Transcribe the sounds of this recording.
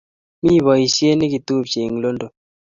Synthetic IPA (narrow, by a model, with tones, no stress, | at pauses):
mi˦˨βɔ˨i˨sje˦ni˦ɡi˨t̪u˦pt͡ʃe˨ŋlo˦ndo˨